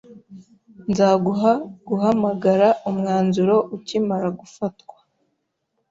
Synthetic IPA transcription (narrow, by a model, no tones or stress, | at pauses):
nzaɡuɦaɡ̥uhamaɡaɾaʔumŋaːnzuɾo̞ʔucimaɾaɡufatkwḁ